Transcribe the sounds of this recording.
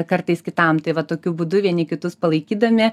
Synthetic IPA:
kɐrt̪ɐɪskʲɪt̪ɐmt̪ɐɪʋɐt̪oːkʲʊbud̪ʊʋʲiɛnʲɪkʲɪt̪ʊspɐlˠɐɪkʲiːd̪ɐmʲɪ

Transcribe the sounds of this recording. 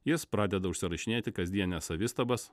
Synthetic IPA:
jɪspɾɑːd̪ʲɛd̪ɐʊʃʲsʲɪɾɐʃʲɪnʲeːt̪ʲɪkɐzʲd̪ʲiɛnʲɛsɐʋʲɪst̪ɐbɐs

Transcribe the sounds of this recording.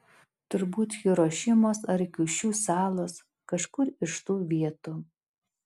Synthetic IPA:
t̪ʊɾbuːt̪jɪɾoʃʲɪmoːsɐɾkʲʊʃʲuːsɑːlˠoːs | kɐʃkʊɾɪʃt̪uːʋʲiɛt̪ʊ

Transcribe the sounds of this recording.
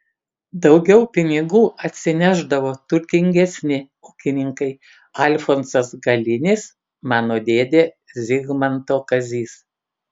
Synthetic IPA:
d̪ɒʊɡʲɛʊpʲɪnʲɪɡuːɐt̪ʲsʲɪnʲæːʒd̪ɐʋoːt̪ʊɾʲt̪ʲɪŋʲɡʲɛsʲnʲɪ | ʊkʲɪnʲɪŋkɐɪ | ɐlʲfonsɐsɡɐlʲɪnʲɪs | mɑːnoːd̪ʲeːd̪ʲeː | zʲɪɡmɐnt̪oːkɐzʲiːs

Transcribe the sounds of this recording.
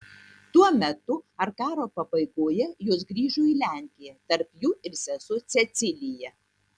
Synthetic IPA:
t̪uɔmʲɛt̪ʊɐɾkɑːɾoːpɐbɐɪkoːjɛjoːsɡɾʲiːʒʊːiːlʲæˑŋʲkʲɪjɛt̪ɐɾpjuːɪɾsʲɛsʊt̪sʲɛt̪sʲɪlʲɪjɛ

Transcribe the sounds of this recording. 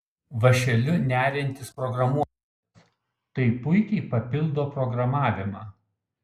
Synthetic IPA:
ʋɐʃʲɛlʲʊnʲæːɾʲɛnʲt̪ʲɪspɾɔɡɾɐmuɔ | s | t̪ɐɪpʊɪkʲɛɪpɐpʲɪlˠd̪oːpɾɔɡɾɐmɑːʋʲɪmɑː

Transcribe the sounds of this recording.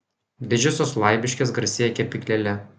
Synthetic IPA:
d̪ʲɪd͡ʒʲɛsʲoːslˠɑˑɪbʲɪʃʲkʲɪsɡɐɾsʲeːjɛkʲɛpʲɪklʲɛlʲɛ

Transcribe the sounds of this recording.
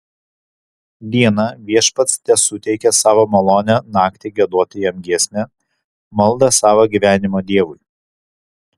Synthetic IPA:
d̪ʲiɛnɐʋʲiɛʃpɐt̪st̪ʲɛsʊt̪ʲɛɪkʲɛsɑːʋoːmɐlˠoːnʲɛnɑːkt̪ʲɪɡʲiɛd̪oɔt̪ʲɪjɛmʲɡʲiɛsʲnʲɛ | mɐlˠd̪ɐsɑːʋɐɡʲiˑʋʲæːnʲɪmoːd̪ʲiɛʋʊɪ

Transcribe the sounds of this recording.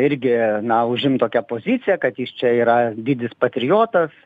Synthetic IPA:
ɪɾʲɡʲɪnɐʊʒʲɪmt̪oːkʲɛpoːzʲɪt̪sʲɪjɛkɐt̪jist͡ʃʲɛiːɾɐd̪ʲɪd̪ʲɪspɐt̪ʲɾʲɪjoːt̪ɐs

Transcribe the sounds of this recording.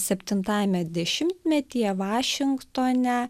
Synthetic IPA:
sʲɛpʲt̪ʲɪnt̪ɑːjɛmʲɛd̪ʲɛʃʲɪmʲt̪ʲmʲɛt̪ʲijɛʋɑːʃʲɪŋkt̪oːnʲɛ

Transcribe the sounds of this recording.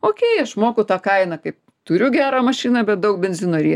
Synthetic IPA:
oːkʲeːɐʃmoːkʊt̪ɑːkɐɪnɐkɐɪp | t̪ʊɾʲʊɡʲæːɾɑːmɐʃʲiːnɑbʲɛt̪̚d̪ɐʊk̚bʲɛnʲzʲɪnoːɾʲiː

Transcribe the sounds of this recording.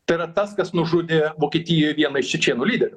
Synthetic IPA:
t̪ɐɪɾɐt̪ɐskɐsnʊʒʊd̪ʲɪʋoːkʲiːt̪ʲijoːjʋʲiɛnɐɪʃt͡ʃʲɛt͡ʃʲiɛnʊːlʲiːd̪ʲɛɾʲʊ

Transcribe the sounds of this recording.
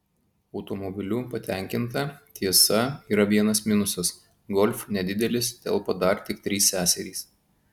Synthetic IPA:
ɒʊt̪ɔmɔbʲɪlʲuːpɐt̪ʲɛˑŋʲkʲɪnt̪ɐt̪ʲʰiɛsɐiːɾɐʋʲiɛnɐsmʲɪnʊsɐs | ɡɔlʲfnʲɛd̪ʲɪd̪ʲɛlʲɪst̪ʲɛ̰lˠpɐd̪ɐˑɾt̪ʲɪkt̪ʲɾʲiːsːʲæːsʲɛɾʲiːs

